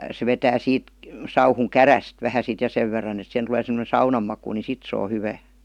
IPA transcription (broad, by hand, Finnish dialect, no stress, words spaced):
se ʋetæː siːt sɑuhuŋ kæræst ʋæhæ sit jɑ seʋ ʋerːɑn et sihen tul̆eː semə̆ne sɑunɑm mɑku ni sit se o hyʋæː